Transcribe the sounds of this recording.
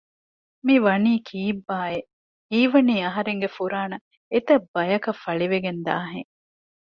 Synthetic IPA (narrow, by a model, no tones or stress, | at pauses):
miʋɐniːkʰiːbːaːe | iːʋɐniːɐɦɐɾeŋɡefuɾaːnɐ | et̪ɐbːɐjɐkɐfɐɭiʋeɡend̪a̰ːɦeŋ